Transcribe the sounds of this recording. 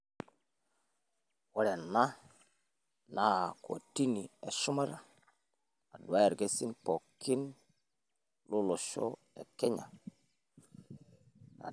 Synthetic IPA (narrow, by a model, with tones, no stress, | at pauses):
we˦ɾe˨nːa˦ | na˦˨ko̰˨ti˦ni˨e˨ʃu˦ma˦ɾ | a˨du˨a˦je˨ɾɡe˦si˦npo˨kːi˦n | lu˦lo˨ʃo̰˦ | ḛ˨ke˦ɲa̰˨ | a̰˨